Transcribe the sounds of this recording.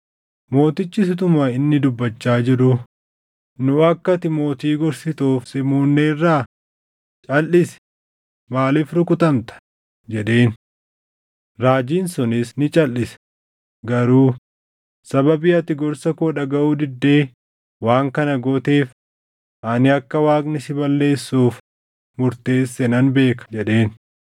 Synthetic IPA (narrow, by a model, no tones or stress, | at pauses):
mo̞ːt̪ɪt͡ʃːɪsɪt̪ʊmaɪnːɪd̪ʊbːɐt͡ʃːaːd͡ʒɪɾʊ | nʊɐkːɐt̪ɪmo̞ːt̪iːɡɔɾsɪt̪oːfsɪmuːnːeːrːaː | t͡ʃʼɐlːɪsɛ̥ | maːliːfɾʊkʊt̪ɐmt̪ɐ̥ | d͡ʒɛᶑe̞ːn | ɾaːd͡ʒiːnsʊnɪsnɪt͡ʃʼɐlːɪsɛ̥ | ɡɐɾuː | sɐbɐbiːɐt̪ːɪɡɔɾsɐkoːᶑɐɡɐʔuːd̪ɪd̪ːe̞ː | waːŋkɐnɐɡɔt̪e̞ːf | ʔɐnɪɐkːɐwaːkʼnɪsɪbɐlːe̞ːsːuːf | mʊɾt̪e̞ːsːɛnɐnbe̞ːkɐ̥d͡ʒɛᶑe̞ːn